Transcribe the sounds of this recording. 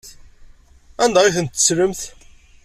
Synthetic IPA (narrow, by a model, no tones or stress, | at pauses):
ænd̪æʁɪθənt̪ːə̥sɾəmθ